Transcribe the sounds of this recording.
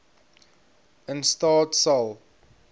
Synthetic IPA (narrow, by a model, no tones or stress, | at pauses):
ɪ̃nstɔːtsal